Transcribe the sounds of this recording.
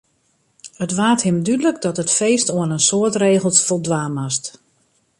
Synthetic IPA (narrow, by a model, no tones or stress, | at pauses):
ətʋaːthɪmdydələkdɔtətfeːstoənənsoətreːɣəlˠsfɔlˠdʋaːmast